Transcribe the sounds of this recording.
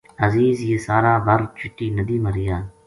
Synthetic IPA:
ɐziːzjesaːɾaːbɐɾt͡ʃʰʊʈːiːnɐd̪iːmɐɾɪjaː

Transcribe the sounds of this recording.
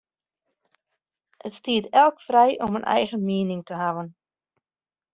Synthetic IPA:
ʔətstiətɛlˠkfrɛjʔɔmənʔɛ̰jɣəmiənɪŋtəɦaʋən

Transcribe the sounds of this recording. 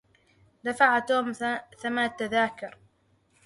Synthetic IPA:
d̪afaʕat̪oːmθamat̪ːaðaːkʊɾ

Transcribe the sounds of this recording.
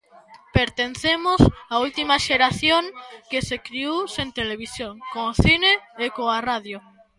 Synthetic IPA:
peɾt̪en̟θemosault̪imaʃeɾaθjoŋkesekɾiusent̪eleβ̞isjoŋkoŋoθineːkoaraðjo

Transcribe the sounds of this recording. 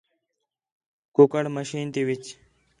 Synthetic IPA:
kukəɽməɕiːnt̪iwit͡ɕ

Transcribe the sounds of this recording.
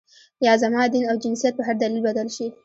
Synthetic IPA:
jaːzamaːd̪inʔawd͡ʒɪnsijat̪̚baɦaɾd̪aliːlbad̪alʃi

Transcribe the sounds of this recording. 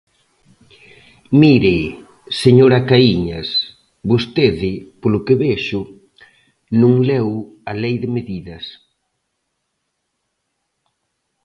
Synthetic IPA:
miɾe | seɲoɾakaiɲɐs | bost̪eðɪpolʊkeβeʃʊ | nũŋlɛw | alejðɪmeðiðɐs

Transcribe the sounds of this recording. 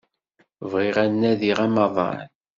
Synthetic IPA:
vʁɪʁænːæðiʁæmɑðˤɑ̰n

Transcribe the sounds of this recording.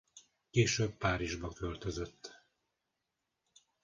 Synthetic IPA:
keːʃøːb̚paːɾiʒbɒkø̞lt̪øzøt̪ː

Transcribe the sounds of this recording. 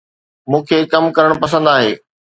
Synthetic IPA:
mũːkʰeːkɐmkɐɾəɽ̃pɐs̬ə̃nd̪aːɦḛː

